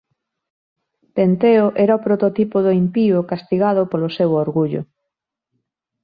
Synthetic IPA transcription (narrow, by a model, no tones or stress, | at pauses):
pent̪eoʔɛɾaopɾot̪ot̪ipʊðʊimpiʊkast̪iɣaðʊpolosewoɾɣuʎʊ̰